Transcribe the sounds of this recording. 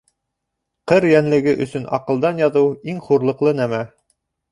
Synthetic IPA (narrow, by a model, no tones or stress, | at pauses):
qɤɾjænlɘ̆ɡɘʔɵ̆sɵnɑ̰qɤ̆lˠd̪ɑnjɑðɤwiŋχuɾlˠɤ̆qlˠɤnæmæ